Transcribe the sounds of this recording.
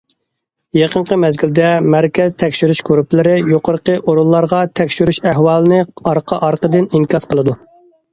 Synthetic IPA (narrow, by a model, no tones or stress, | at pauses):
jeqʰəɴqəmɛzɡʲild̪ɛmæɾkʲɛzt̪ʰɛkʲʃyɾyʃkoɾuplɪɾɪjoqʰəɾəqəʔoɾulˠːɑɾʁɑt̪ʰɛkʲʃyɾyʃæɦwɑːlˠɨnɨɑɾqʰɑʔɑɾqəd̪ɪnimkʲɑsqəlˠɨd̪u